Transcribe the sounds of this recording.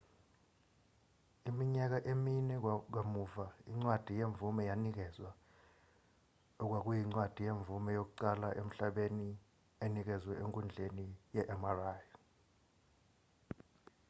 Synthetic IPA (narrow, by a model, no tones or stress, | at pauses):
imiɲak̬aʔeminɛk̬wamuvaiŋ͡ǀwad̥ʱijeɱvumɛjanik̬ɛzwa | ɔk̬ʼwak̬ujiŋ͡ǀwad̥ʱijeɱvumɛjok̬uǀalaʔem̩ɬaɓeni | enik̬ɛzwɛʔeŋkʼund͡ɮʱenijɛʔɛmaraːjɔ